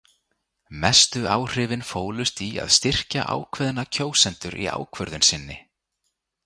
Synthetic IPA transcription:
mɛst̪ʏaːwr̥ɪːvɪnfoːwlʏst̪ia̰ðst̪ɪr̥ca̰ʔa̰ːwkʰvɛðnacʰoːwsɛnt̪ʏɾʔḭa̰ːwkʰvœɾðʏnsɪnːɪ

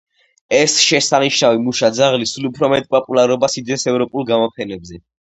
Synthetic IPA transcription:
ɛsʃɛsaniʃnavimuʃad̪zaʁlisulupʰɾɔmɛt̪ʼpʼɔpʼulˠaɾɔbasid̪ɛnsɛvɾɔpʼulˠɡamɔpʰɛnɛbzɛ

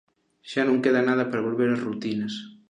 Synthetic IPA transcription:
ʃanõŋkeðɐnaðɐpɐɾaβolβeɾazrut̪inɐs

